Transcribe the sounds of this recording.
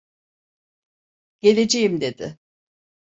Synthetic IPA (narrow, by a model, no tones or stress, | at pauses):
ɟ̥e̞lʲe̞d͡ʒejimd̪e̞d̪ɪ̰